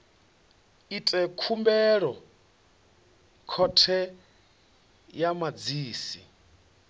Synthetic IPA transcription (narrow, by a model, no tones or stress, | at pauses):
itʼɛkʰumbɛɺɔ | kʰɔtʰɛ | jamad͡ziːsi